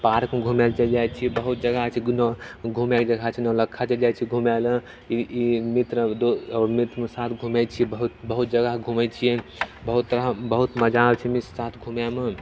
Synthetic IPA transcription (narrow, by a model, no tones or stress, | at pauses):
paɾkmeɡʱumɛlt͡ʃəld͡ʒajt͡ʃʰibəɦut̪̚d͡ʒəɡat͡ʃʰinɡʱumjaked͡ʒəɡʱat͡ʃʰinələkʰːat͡ʃəld͡ʒajt͡ʃʰiɡʱumɛlẽ | iimit̪ɾəd̪oɔːɾmit̪ɾmesat̪ʰɡʱumɛt͡ʃʰibəɦut̪bəɦut̪̚d͡ʒəɡəɦɡʱumɛt͡ʃʰijɛbəɦut̪ːɾabəɦut̪məd͡ʒabt͡ʃʰimisat̪ʰɡʱumjame